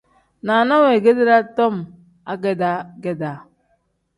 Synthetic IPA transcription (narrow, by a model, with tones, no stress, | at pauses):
na˨nɔ˦we˨ɡe˦de˦ɾa˦tɔ˦m̩˨ | a˦ɡe˦da˦ɡe˦da˨